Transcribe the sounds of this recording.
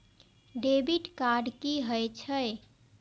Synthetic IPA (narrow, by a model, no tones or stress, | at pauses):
ɖebiʈkaɖkiɦəjt͡ʃʰəj